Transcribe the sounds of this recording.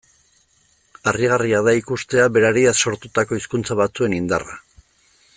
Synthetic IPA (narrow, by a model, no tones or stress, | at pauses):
ariɣ̞ariaðaikust̪e̞aβe̞ɾaɾiaso̞ɾt̪ut̪ako̞iskunt͡saβat͡sue̞nind̪ara